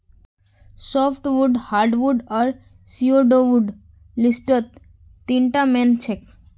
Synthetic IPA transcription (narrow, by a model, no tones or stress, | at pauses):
sɔpʰʈʋuɖhaɾɖʋuɖɔɾ | sioɖoʋuɖ | lisʈət̪ː | ĩɳʈament͡ʃʰek̚